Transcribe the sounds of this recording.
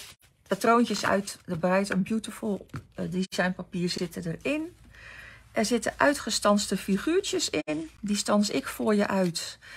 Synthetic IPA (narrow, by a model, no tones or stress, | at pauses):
pətrownt͡ʃəsœ̰ɥtdəbrɛjtɔnbjutəfʊlˠdizɑjnpapiːrzɪtədərɪn | ʔɛɹzɪtəʔœɥtχəstɑnstəfiχyːɹt͡ʃəsɪndistɑnsɪ̰kfʊːɹjəʔœɥt